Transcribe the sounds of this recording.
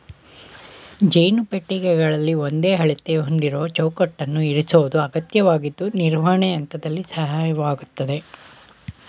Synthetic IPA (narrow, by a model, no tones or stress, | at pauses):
d͡ʒejnupeʈːiɡɛɡɐɭɐlːio̞nd̪e̞ːɦɐɭit̪eɦond̪iɾoːɐt͡ʃɐwkɐʈːɐnːuiɾisoʋud̪uɐɡɐt̪jɐʋaːɡid̪ːuniɾʋaːɳɛɐnt̪ɐd̪ɐlːisɐɦaːjɐʋaːɡut̪ːɐd̪e̞